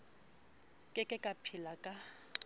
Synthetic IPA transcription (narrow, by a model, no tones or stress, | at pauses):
kʼɛkʼɛkʼapʰilakʼa